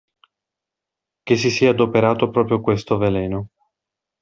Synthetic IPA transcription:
k̟es̬isiːaːd̪opeɾaːt̪opɾɔːpɾjokwest̪ovelɛːno

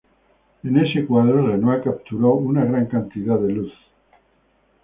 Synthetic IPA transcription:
enesekwaðoɾlenoakap̚t̪uɾawunaɣɾaŋkant̪iðaðeluθ

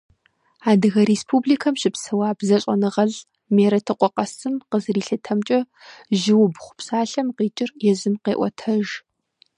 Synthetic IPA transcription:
aːdɨɣɐɾeːspʰuːbliːkʰɐmʃɪpsɐwaːbzɐɕʷʼɐnɨʁɐɮ | meːɾɐtʰɨqʷʼɔqʼɐsɨmqəzɨriːɬɨtʰɐmt͡ʃʼɐ | ʒɪwʊbχʷʊ̥psaːɬɐmqiːt͡ʃʼɪrjɛzɨmqeːʔʷɔ̰tʰɐʒ

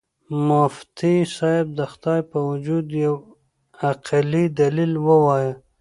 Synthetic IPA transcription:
moft̪isɑɪb̚d̪axt̪ɑːjpawud͡ʒud̪jaw | aqalid̪alilwəwɑjə

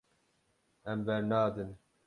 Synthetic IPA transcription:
ɛmbɛɾnaːd̪ɨn

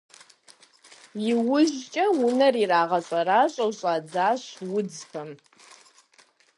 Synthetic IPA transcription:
jɪwʊʑt͡ʃʼɐwʊnɐriraːʁɐɕʼɐɾaːɕʷʼɐwɕʼaːd͡zaːɕwʊd͡zxɐm

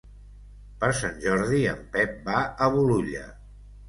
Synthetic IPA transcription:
pəɾsanʲʒɔɾðiə̰mpɛp̚baəβuluʎə̰

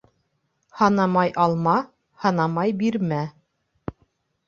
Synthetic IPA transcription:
hɑnɑmɑjʔɑlˠmɑ | hɑnɑmɑjbiɾmæ

